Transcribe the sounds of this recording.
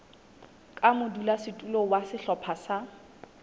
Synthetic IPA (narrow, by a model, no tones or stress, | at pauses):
kʼamʊdulasɪtʼulowasɪɬɔpʰasa